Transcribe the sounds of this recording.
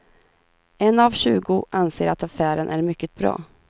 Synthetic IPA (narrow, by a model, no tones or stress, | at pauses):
ɛnavɕʉ̟ːɡʊʔanseːɾʔat̪afæːɾənʔæɾmʏkːət̪̚bɾɑ̰ː